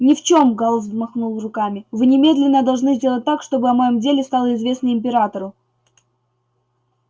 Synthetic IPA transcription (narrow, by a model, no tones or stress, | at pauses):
nʲɪft͡ɕo̞mɡalˠzzmɐxnulˠrʊkamʲɪvɨnʲɪmʲe̞d̪lʲɪnːəd̪ɐlˠʐnɨzʲdʲelˠət̚ʲt̪akʂt̪o̞bɨɐmɐjo̞mdʲelʲɪst̪alˠəɪzvʲe̞snəɪmʲpʲɪɾat̪əɾʊ